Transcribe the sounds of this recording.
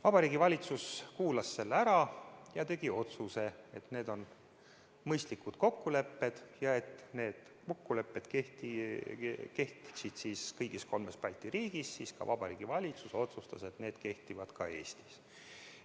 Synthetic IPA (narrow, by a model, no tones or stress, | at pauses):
vɑb̥ɑɾiːɡivɑlʲit̪suskuːlɑsːe̞lːæɾɑjɑt̪e̞ɡ̥io̞t̪suse̞e̞t̪ne̞ːd̪o̞n | mɤjst̪likud̪̥ko̞kːule̞pːe̞d̪̥jɑe̞t̪ne̞ːd̪̥ | kokːule̞pːe̞d̪keht̪i | kehsid̪̥siːskɤjɡ̥isko̞lme̞spɑlʲt̪ːˑiɾiːɡ̥isːiskɑ̰vɑb̥ɑɾḭːɡ̥ivɑlʲit̪suso̞t̪sust̪ɑse̞t̪ne̞ːd̪̥ke̞ht̪ivɑd̪̥kʰɑe̞ːsʲt̪i̥s